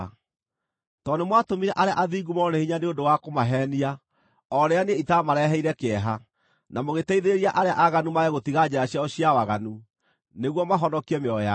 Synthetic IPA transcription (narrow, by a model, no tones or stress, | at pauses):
tɔnemwatomiɾɛʔaɾea̰ʔaðiːɡumɔnehiɲaneondowakomaɦɛnia | ɔɾeaneitamaɾɛɦɛiɾɛkeɛɦa | namoɣetɛiðeeɾiaʔaɾeaʔaɣanumaɛɣotiɣad͡ʑaaɕjaɔɕiawaɣanu | neɣwɔmaɦɔnɔkiɛmeɔja